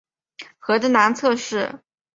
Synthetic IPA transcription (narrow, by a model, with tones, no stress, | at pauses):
xɤ˧˥d̪ə˧na˧˥nt͡sʰɤ˥˧ʂɻ̩˥˩